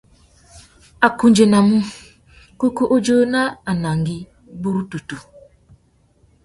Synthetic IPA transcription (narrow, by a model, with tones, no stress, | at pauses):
a˨ku˨nd͡ʒe˨na˨mu˦ | ko˦ku˦ʔo˦d͡ʒo˦na˦a˨na˨ŋ˨ɡi˦ | bu˦ɾu˦tu˨tu˨